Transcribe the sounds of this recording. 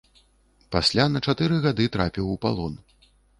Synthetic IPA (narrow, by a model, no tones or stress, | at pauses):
pasʲlʲanɐt͡ʂat̪ɨɾɨɣad̪ɨt̪ɾapʲiwupa̰lˠɔn